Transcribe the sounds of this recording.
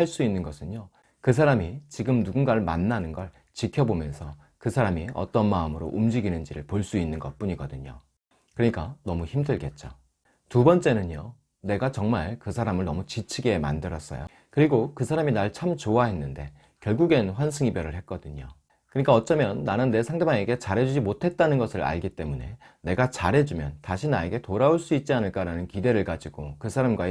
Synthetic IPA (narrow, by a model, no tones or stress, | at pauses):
haɭs͈uinːɯnɡʌsʰɯɲo | kɯs̬ʰaɾamit͡ɕiɡɯmnuɡunɡaɭmanːanɯnɡʌɭ | t͡ɕikʰjʌbomjʌnsʰʌ | kɯsʰaɾamiʌ̰t͈ʌnmaɯmɯɾo̰ʔumd͡ʑiɡinɯnd͡ʑiɾɯɭpoɭs͈uinːɯnɡʌt̚p͈uɲiɡʌdɯɲo̰ | kɯɾʌɲik͈anʌmuçimdɯɭɡe̞t̚t͡ɕ͈o | tubʌnt͡ɕ͈e̞nɯɲo | ne̞ɡat͡ɕʌŋmaɭkɯsʰaɾamɯɭnʌmut͡ɕit͡ɕʰiɡe̞mandɯɾʌs͈ʌ̰jo̰ | kɯɾiɡokɯsʰaɾaminaɭt͡ɕʰamt͡ɕowaɦe̞nːɯnde̞ | kjʌɭɡuɡenɸwansʰɯŋibjʌɾɯɭhe̞t̚k͈ʌdɯɲo̰ | kɯɲik͈aʌt͡ɕ͈ʌmjʌnːanɯnːe̞sʰaŋdemaŋeɡe̞t͡ɕaɾɦe̞d͡ʑud͡ʑimotʰe̞t̚t͈anɯnɡʌsʰɯɾa̰ɭɡit͈e̞mune̞ | ne̞ɡat͡ɕaɾɦe̞d͡ʑumjʌntaɕʰinae̞ɡe̞toɾaoɭs͈uit̚t͡ɕ͈ianɯɭk͈aɾanɯnkide̞ɾɯɭkad͡ʑiɡ̥okɯsʰaɾamɡwae